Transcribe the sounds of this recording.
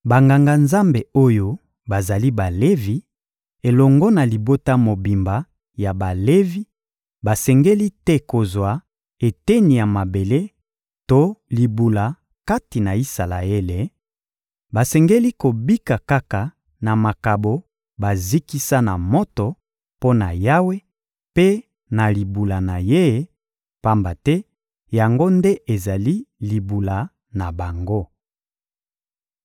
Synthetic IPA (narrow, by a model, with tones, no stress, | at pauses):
ba˨ŋɡa˨ŋɡa˨nza˦mbe˨o˦jo˦ | ba˨za˨li˦ba˨le˦vi˨ | e˨lɔ˨ŋɡɔ˦na˨li˨bo˦ta˦mo˨bi˨mba˨ | ja˨ba˨le˦vi˦ | ba˨sɛ˨ŋɡe˦li˦tɛ˦ko˨zwa˨ | e˨tɛ˦ni˨ja˨ma˨be˨le˦ | to˦li˨bu˨la˨ | ka˦ti˨na˨i˦sa˨la̰˨e˦le˨ | ba˨sɛ˨ŋɡe˦li˦ko˨bi˦ka˨ka˦ka˨ | na˨ma˨ka˨bo˨ | ba˨zi˦ki˦sa˦na˨mɔ˦tɔ˨ | po˦na˨ja˦we˦ | pe˦ | na˨li˨bu˨la˨na˨je˦ | pa˦mba˨tɛ˦ | ja˨ŋɡo˦nde˦ʔe˨za˨li˦li˨bu˨la˨ | na˨ba˨ŋɡo˦